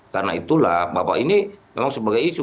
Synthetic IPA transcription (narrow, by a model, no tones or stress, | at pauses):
karnait̪ulahbapa̰inimemaŋsəbaɡajsu